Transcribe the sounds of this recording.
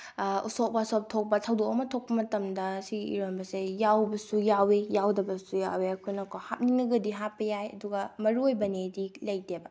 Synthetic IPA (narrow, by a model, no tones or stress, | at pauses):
ṵsok̚pasop̚tʰok̚pɐsʰawdokɐmɐtʰok̚pɐmɐtɐmdɐsiɡiḭɾombɐsejawbɐsujawejawdɐbɐsujaweɐkʰojnɐkʰohap̚niŋnɐɡɐdiɦat̚pɐjajɐ̰duɡɐmɐɾuojbɐnedilɐjdebɐ